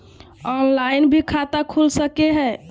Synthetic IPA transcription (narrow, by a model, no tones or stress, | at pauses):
ɔnlainbʱikʰat̪akʰulsəkeɦɛ